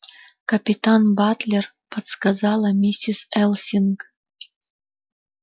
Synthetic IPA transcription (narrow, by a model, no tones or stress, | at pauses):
kɐpʲit̪anbat̪lʲer | pət̪skazɑlˠamʲisʲisɛlˠsʲink